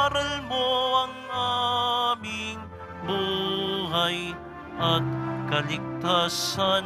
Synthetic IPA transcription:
ɐɾɐlbowɐŋa | miŋ | buɦɐj | ɐt̪̚kɐlɪk̚t̪asɐ

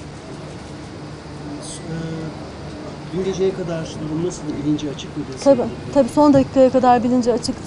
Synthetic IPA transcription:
ɟynd̪ʲed͡ʒejɛkʰad̪aɾd̪uɾumnasɯlˠilʲind͡ʒɛat͡ʃʰɯked̪ut̪ʰabit̪ʰabiːso̞nd̪acʰi̥kʰajakad̪aɾbilʲind͡ʒɛat͡ʃʰɯk̪

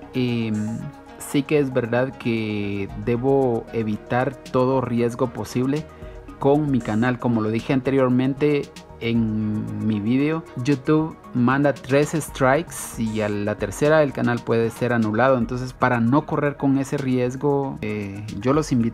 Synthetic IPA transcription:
em | sikeezβe̞ɾðaðkʰed̪e̞βo̞e̞βit̪aɾt̪o̞ðo̞rje̞zɣo̞po̞siβle̞ | ko̞ŋmikanalko̞mo̞lo̞ðixe̞ant̪e̞ɾjoɾmẽ̞nt̪e̞ː | ŋmiβiðeo̞jut̪uβ | mãnd̪at̪ɾe̞sest̪ɾajksialat̪e̞ɾse̞ɾaðe̞lkanalpwe̞ðe̞se̞ɾanulaðo̞ent̪o̞ns̬e̞spaɾano̞ko̞re̞ɾko̞ŋe̞se̞rje̞zɣo̞eɟ͡ʝo̞lo̞simbit̪

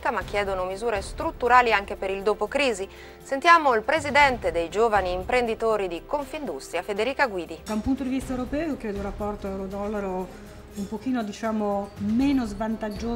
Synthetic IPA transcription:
kamak̟ːjɛːd̪onomizuːɾest̪ɾut̪ːuɾaːliaŋk̟epeɾild̪oːpokɾiːzi | sent̪jaːmoilpɾezid̪ɛnt̪ed̪ejd͡ʒoːvaniːmpɾend̪it̪oːɾid̪ikoɱfind̪ust̪ɾjafed̪eɾiːkaɡwiːd̪id̪aumpunt̪od̪ivist̪aewɾopɛːookjɛːd̪olrːapːɔrt̪oɛwɾod̪ɔlːaɾo | umpok̟iːnod̪it͡ʃaːmomenozvant̪ad͡ʒːoː

